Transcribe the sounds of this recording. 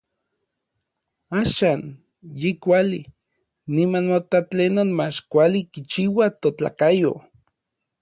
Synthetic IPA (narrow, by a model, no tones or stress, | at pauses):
aːʃaːn | jikʷaliː | imanmot̪at͡ɬenonmat͡ʃkʷalikit͡ʃiwat̪ot͡ɬa̰kajo̰